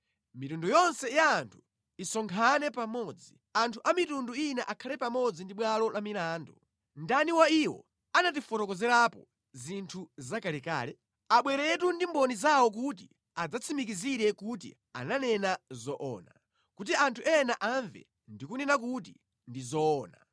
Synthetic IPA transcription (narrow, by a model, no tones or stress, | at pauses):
mitundɔjɔnsɛjaːntʰu̥ | isɔŋkʰanɛpamɔd͡zi | antʰuʔamitunduinɛʔakʰalɛpamɔd͡zindiɓwalɔlamilaːndɔ | ndaniwaiwɔ̰ | anat̬ifɔtɔkɔzɛɾapɔ | zintʰuzakalɛka̰ːlɛ | aɓwɛɾɛt̬undimbɔnizawɔk̬ut̬i | ad͡zat͡sʰimikiziɾɛkut̬ḭ | a̰nanɛnazɔʔɔ̰ːna̰ | kut̬iantʰuɛnaʔaɱvɛ̰ | ndikunɛnak̬ut̬ḭ | ndizɔːna̰